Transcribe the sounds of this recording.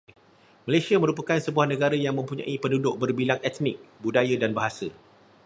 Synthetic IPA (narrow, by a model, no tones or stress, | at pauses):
malasiamə̃ɾup̬akansəbuahnə̃ɡaɾajaŋmə̃mpuɲã̰ʔipəndudʊʔ̚bərbilaŋɛt̪nɪ̰k̚budajadanbaɦasə